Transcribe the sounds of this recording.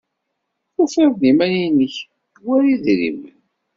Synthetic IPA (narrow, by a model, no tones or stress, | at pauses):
θufævðimæninəç | wæɾiðɾḭmə̰n